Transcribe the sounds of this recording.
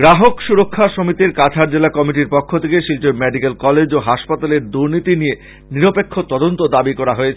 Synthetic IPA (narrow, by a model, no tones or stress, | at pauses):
ɡɾaɦokʃuɾokʰːaʃomit̪iɾkat͡ɕʰaɾd͡ʑelakɔmiʈ̬iɾpɔkʰːot̪ʰekeʃilʈeɾmɛɖikelkɔled͡ʑoɦaʃpat̪aleɾd̪uɾnit̪inie | niɾopekʰːot̪ɔd̪ont̪od̪abikɔɾaɦoet͡ɕʰ